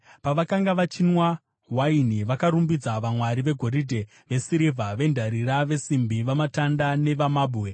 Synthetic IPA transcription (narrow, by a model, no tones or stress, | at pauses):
paʋakaŋɡaʋat͡ʃinwa | ɦwainiʋakaɾumbid͡zaʋamwaɾiʋe̞ɡʱo̞ɾidʱe̞ | ʋe̞siɾivʱaʋe̞ndʱaɾiɾaʋe̞simbiʋamatandane̞ʋamaːɓue